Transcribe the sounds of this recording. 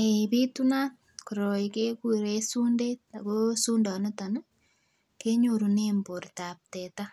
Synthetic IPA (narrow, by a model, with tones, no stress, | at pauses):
e˨i˨pi˦tuna˦ | koɾo˨ike˦ku˦ɾe˦su˦nde˦ta˨kosu˦ndɔ˨ne˦ta˨n˦ | ke˦ɲo˨ɾu˨ne˦mbo˨rta˨p̚te˨ta˦